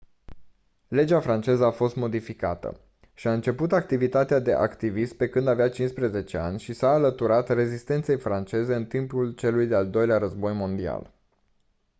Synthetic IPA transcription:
le̞d͡ʒafɾant͡ʃe̞zəafo̞st̪mo̞d̪ifika̰t̪ə̰ | ʃiaɨnt͡ʃe̞put̪ak̚t̪ivit̪at̪ead̪e̞̰ʔa̰kt̪ivist̪̚pe̞kɨnd̪aveat͡ʃinspɾeze̞t͡ʃe̞a̰nʲʃisaːlət̪uɾat̪re̞zist̪e̞nt̪se̞jfɾant͡ʃe̞ze̞ɨnt̪impult͡ʃe̞lujd̪e̞ald̪o̞jleaɾəzbo̞jmo̞nd̪ia̰l

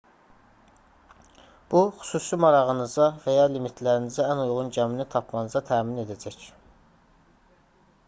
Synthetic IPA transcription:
b̥uxy̥suːsimɑɾɑʁɯnɯzɑvæjɑlimit̪ʰlæɾinizæænujʁunɟæminit̪ʰɑpʰmɑnɯzɑt̪ʰæːmine̞d̪æd͡ʒæc

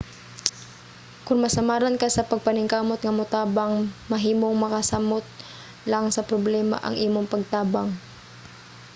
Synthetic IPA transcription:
kʊŋmɐsɐmaːɾɐnkasɐpɐɡ̚pɐnɪŋkaːmot̪̚ŋɐmʊt̪aːbaŋmɐɦiːmoŋmɐkɐsamot̪̚ | laŋsɐpɾoblɛma̰ʔɐ̰ŋʔiːmoŋpɐɡ̚t̪aːbaŋ

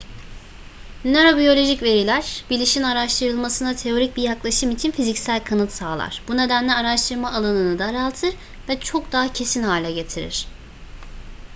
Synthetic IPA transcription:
nø̞ɾo̞bijo̞lʲo̞ʒicve̞ɾilʲæɾb̥ilʲiʃinaɾaʃt̪ʰɯɾɯlˠmasɯnat̪ʰe̞o̞ɾic̚bijaklˠaʃɯmit͡ʃʰinfizicsælʲkʰanɯt̪saːlˠa̰ɾ̥b̥une̞d̪ænlʲɛaɾaʃt̪ʰɯɾmaːlˠanɯnɯd̪aɾalˠt̪ʰɯɾ | vɛt͡ʃʰokd̪aɦacʰe̞sinhaːlʲɛɟe̞t̪ʰiɾḭɾ̥

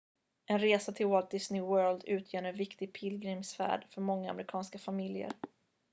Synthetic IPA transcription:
ɛnɾeːsat̪ʰɪlwɔlt̪d̪ɪsnɪwœːld̪ʉ̟ːt̪ʰjøːɳɛnvɪkt̪ɪɡpʰɪlɡɾɪmsfæ̰ːɖfœɾmɔŋːaa̰mɾɪkʰɑːnskafamɪljə̰ɾ

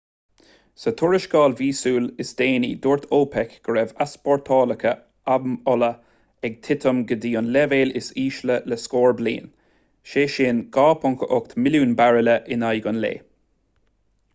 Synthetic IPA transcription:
sət̪ʰʊɹɪʃɡɑːlviːsuːlɪsd̪eːnḭːd̪oːɹt̪ʰoːpʰɛkɡ̥əɹɛvaspɔɹt̪ʰɑːləkʰə | abmɔlə | ɛɡ̚t̪ʰɪt̪ʰəmɡəd̪iːʊnlɛveːlɪsiːʃləlɛskoːɹblḭːn | ʃeːʃeːnɡ̥aːpʰɔŋkʰəʔʊkt̪mɪluːnbaɹələʔɪnajɡʊnlḛː

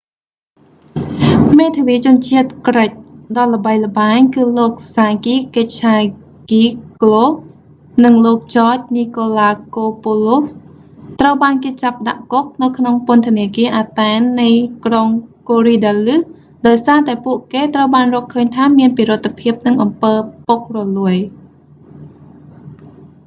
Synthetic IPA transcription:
meːt̪ʰəʋiːt͡ɕʊənt͡ɕiət̪̚krəc̚ɗɑlːə̆ɓəjlə̆ɓaːɲkɨːloːk̚saːkiːkəc̚t͡ɕʰaː | ɡiːklo | nɨŋloːk̚t͡ɕɑːc̚niːkoːlaːkoːpoːlof | t̪rəwɓaːnkeːt͡ɕap̚ɗa̰ʔkok̚nɨwkʰnoŋpʊənt̪ʰə̆niəkiəʔaːt̪aɛnːɨjkroŋkoːriːɗaːlɨ | ɗaɔjsaːt̪aɛpuəʔkeːt̪rəwɓaːnrɔːlkʰəːɲt̪ʰaːmiənpiɾɨt̪ʰːapʰiəp̚nɨŋʔɑmpəːpok̚rɔluəj

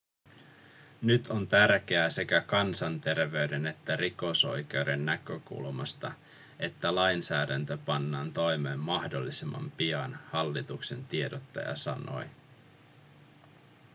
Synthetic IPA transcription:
nyt̪ʰo̞nt̪ærk̟eæse̞kækɑnsɑnt̪e̞rʋe̞yde̞ne̞t̪ːæriko̞so̞̰jk̟e̞wde̞nːækøkṵlmɑst̪ɑ | e̞t̪ːælɑjnsæːdænt̪øpɑnːɑːnt̪o̞jmeːmːɑhdolːisimːɑ̰mpiɑnhɑlːit̪ukse̞nt̪ie̞dot̪ːɑ̰jɑ̰sɑno̞̰j

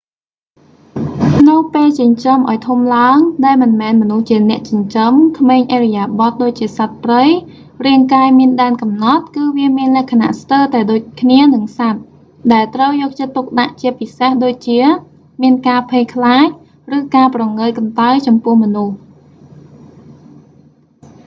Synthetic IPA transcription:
kʰnəwpeːlt͡ɕɨɲt͡ɕəmʔaɔjt̪ʰumlaəŋɗaɛlmɨnmɛːnmɔnuht͡ɕiənɛ̆əʔt͡ɕŭɲt͡ɕəmkʰmeːɲʔeːrɛjaːɓɑt̪̚ɗoːc̚t͡ɕiəsat̪̚prəj | riəŋkaːjmiənɗaənkɑmnɑt̪̚kɨːʋiəmiənlɛ̆əhkʰana̰ʔst̪əːt̪aɛɗoːc̚kʰniənɨŋsat̪̚ | ɗaɛlt̪rəwjɔːk̚t͡ɕət̪ːuk̚ɗaʔt͡ɕiəpisehɗoːc̚t͡ɕiə | miənkaːpʰeːkʰlaːc̚ | rɨːkaːprɑŋəːjkɑnt̪ajt͡ɕɑmpʊəhmɔnuh

